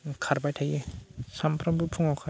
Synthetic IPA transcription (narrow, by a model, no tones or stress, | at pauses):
kʰaɾbajtʰajisampʰɾambɯpʰuŋakʰa